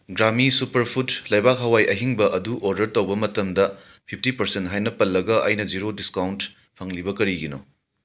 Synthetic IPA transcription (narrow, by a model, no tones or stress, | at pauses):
ɡɾamisupɐɾpʰutlɐjbak̚ɦɐwajʔɐɦiŋbɐʔɐduʔoɾdɐɾtɐwbɐmɐtɐmdɐ | pʰip̚ʰtipɐɾsentɦajnɐpɐlːɐɡɐʔɐ̰jnɐd͡ʒiɾodiskawnt | pʰɐŋlibɐkɐɾiɡino̰